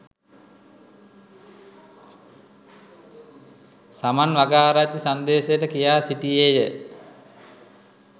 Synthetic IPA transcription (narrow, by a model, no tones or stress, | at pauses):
samanʋaɡaːɾad͡ʒəsand̪eːsejəʈəkijaːsiʈijejə